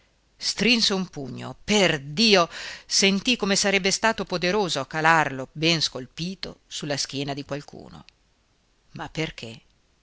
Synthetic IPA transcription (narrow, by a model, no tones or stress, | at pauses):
st̪ɾinseumpuɲːo̰perd̪iːosent̪ikomesaɾɛbːest̪aːt̪opod̪eɾoːzoakalarlobɛnskolpiːt̪osulːask̟jɛːnad̪ikwalkṵːno̰ | mapːerk̟ʰe